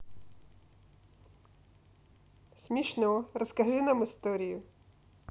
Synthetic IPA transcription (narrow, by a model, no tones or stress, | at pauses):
sʲmʲiʃnɔɔɾɔskɐʒɪnamɪst̪ɔɾʲijʊ